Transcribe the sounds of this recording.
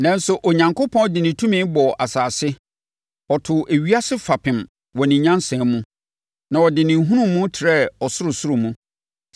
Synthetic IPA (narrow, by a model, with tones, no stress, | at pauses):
nã˦n˦sʊ˨ʔo˨ɲã˨ŋkʰo˦pʰɔ̃˦dɪ˨nɪ̃˨tʰũ˦mɪ̃˦bɔ˨ʔa˨saː˨sɪ˦ | ɔ˨tʰʊ˨ʔæ˨ɥi˦a˦sɪ˦fa˨pʰɪ̃˨m | wɔ˨nɪ̃˨ɲã˦nsɛ̃˨mũ˦ | nã˨wɔ˨dɪ˨nɪ̃˨˦ɦũ˦ɾũː˦˨˦ũ˦tʰɪ˨ɾɛ˦ɔ˨sʊ˦ɾʊ˨sʊ˦ɾʊ˨mũ˦